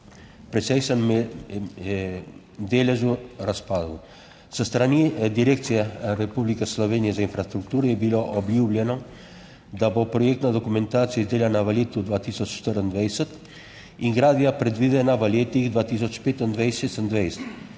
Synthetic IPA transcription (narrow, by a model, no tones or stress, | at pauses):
pɾɛt͡sɛjsanm | md̪ɛlɛzuraspalu | səst̪ɾaniɛd̪iɾɛkt͡siarɛpublikəsːlɔvɛniɛsɛinfɾast̪ɾuk̚t̪uɾɛbilɔʔɔblublɛnɔ | d̪abɔpɾɔjɛk̚t̪nad̪ɔkumɛnt̪aɾt͡sɛzd̪ɛlanavalɛt̪ud̪vat̪isɔt͡ʃʃt̪əɾənd̪vɛjsət̪ | iŋɡɾaðjapɾɛt̪viðɛnavalɛt̪ikd̪vat̪is̬ɔt͡ʃpɛt̪ənd̪vɛjsɛsənd̪vɛjst̪